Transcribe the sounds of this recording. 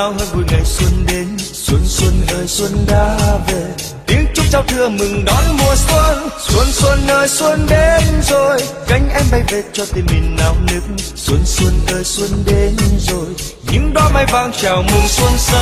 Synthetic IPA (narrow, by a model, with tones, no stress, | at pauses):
a˨whəː˧jvu˨˩ŋa˨˩jswə˧nɗe˨˦n | swə˧nswə˧nnəː˨˩jswə˧nɗaː˧˦ve˨˩ | t̪i˨˦əŋt͡ɕʊ˦˥k͡p̚t͡ɕa˧wt̪ʰɨ˧əmɨ˨˩ŋɗɔ˨˦nmu˨˩əswə˧nswə˧nswə˧nːəː˨˩jswə˧nɗe˨˧nzo˨˩jka˨˧˦jŋ̟ʔɛ˧mɓa˧˩jve˨˩t͡ɕɔ˧t̪ï˨˩mmï˨˩ŋ̟naː˨˩wnɨ˦˥k̚ | swə˧nswə˧nːəː˨˩jswə˧nɗe˨˦nzo˨˩j | ɲɨ̰˧˥ŋɗɔ˨˧˦ma˧jvaː˧ŋt͡ɕaː˨˩wmɨ˨˩ŋswə˧nsə˧